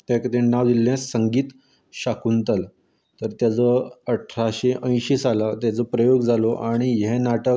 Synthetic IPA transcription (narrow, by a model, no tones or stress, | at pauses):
t̪ɛ̃kəd̪ẽnaʋd̪ilːẽsəŋɡiːt̪ | ɕakunt̪al | t̪əɾt̪jat͡səəʈʰɾaɕeʔə̃j̃ɕisalat̪jat͡səpɾəjoɡd͡zaloʔaɽ̃iɦɛnaʈək̚